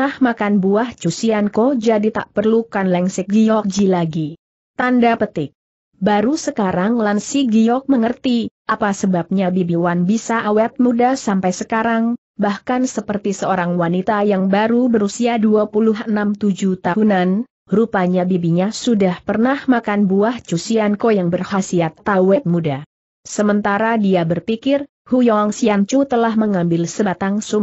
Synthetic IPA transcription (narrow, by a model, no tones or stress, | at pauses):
ahmakanbuaht͡ʃusiankod͡ʒadit̪a̰ʔpərlukanlɛŋsɪk̚ɡijɔk̚d͡ʒilaɡi | t̪andapət̪ɪk̚ | baɾusəkaɾaŋlansiɡijɔk̚məŋərt̪iʔapasəbap̚ɲabibiwanbisaʔawɛt̪̚mudasampajsəkaɾaŋ | bahkansəpərt̪isəoɾaŋwanit̪ajaŋbaɾubəɾusiaduapulʊɦʔənamt̪ud͡ʒut̪aɦunan | ɾupaɲabibiɲasudahpərnahmakanbuaht͡ʃusiankojaŋbərhasiat̪ːawɛt̪̚muda | səmənt̪aɾadiabərpikɪr | hujɔŋsiant͡ʃut̪əlahməŋambɪlsəbat̪aŋsum